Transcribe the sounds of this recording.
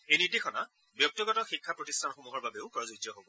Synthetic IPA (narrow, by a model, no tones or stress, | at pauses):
ejniɹdixʰɔna | bjɔk̚tɔɡɔtɔxikʰːapɹɔtistʰanxomuɦɔɹbabeʊpɹɔzotjɔɦobɔ